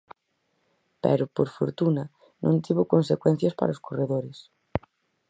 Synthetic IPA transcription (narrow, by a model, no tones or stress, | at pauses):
pɛ̰ɾopoɾfo̰ɾt̪unɐ | nõ̰nt̪iβokonsekwɛn̟θjɐspa̰ɾaoskoreðoɾes